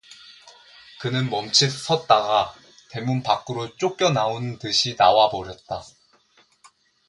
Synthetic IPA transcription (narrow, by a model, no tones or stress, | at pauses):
kɯnɯnmʌmt͡ɕʰisʰʌt̚t͈aɡa | te̞munpak͈ɯɾot͡ɕ͈ok͈jʌnaontɯɕʰinawabʌɾjʌt̚t͈a